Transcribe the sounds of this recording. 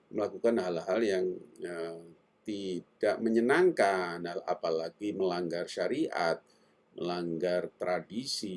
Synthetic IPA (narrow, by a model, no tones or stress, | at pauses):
məlakukanɦalɦaljaŋə | t̪id̥aʔməɲənaŋkanala̰palaɡiməlaŋɡarʃaɾiʔa̰t̪̚ | məlaŋɡart̪ɾadisi